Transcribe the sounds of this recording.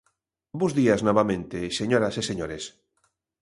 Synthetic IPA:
buzðiaznɔβamẽnt̪eseɲoɾaseseɲoɾes

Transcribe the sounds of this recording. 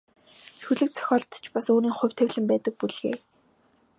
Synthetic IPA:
ʃuɮɘ̆k̚t͡sʰœ̥xʲɔːɮt̪t͡ɕʰpasuːniːŋχʊ̟w̥ʲt̪ʰæwʲɮɘ̆mpæːt̪ə̆k̚puɮɣḛː

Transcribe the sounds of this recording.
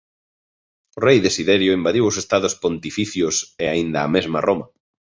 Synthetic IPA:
ʊrejðesiðɛɾjʊimbaðiwʊsest̪aðʊspont̪ifiθjʊseaind̪ɐːmezmɐrʔomɐ

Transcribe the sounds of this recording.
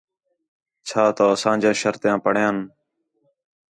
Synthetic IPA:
t͡ʃʰaːt̪oːsãːd͡ʒãːʃəɾt̪jãːpəɳ̤jãːn

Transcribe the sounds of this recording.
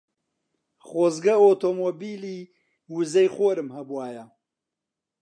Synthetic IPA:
χoːzɡɐoːt̪ʰomoːbiːliː | wuzɐjχoːɾɨmhɐbuwaːjɐ

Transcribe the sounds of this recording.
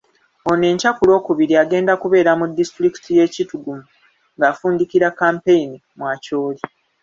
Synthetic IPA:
o̞ne̞ːɲcakulo̞ːkuβiɾiaɡe̞ːndakuβe̞ːɾamudːistɾiki̥tije̞ːcituɡumu | ŋɡaːfuːndikiɾakaːmpe̞inimwaːco̞ːli

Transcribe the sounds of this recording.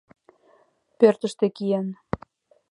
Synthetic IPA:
pørt̪ə̆ʃt̪ĕkijen

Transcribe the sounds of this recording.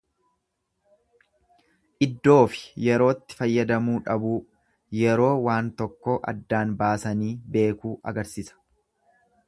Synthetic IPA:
ʔɪd̪ːo̞ːfɪ̥jɛɾo̞ːt̪ːɪ̥fɐjːɐd̪ɐmuːᶑɐbuː | jɛɾo̞ːwaːnt̪ɔkːoʔɐ̰d̪ːaːnbaːsɐniːbe̞ːkuːʔɐ̰ɡɐɾsisɐ̥

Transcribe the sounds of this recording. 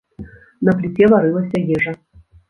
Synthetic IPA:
nɐplʲɪt̪ʲevɐɾɨlˠɐsʲɐjʲɛʐɐ

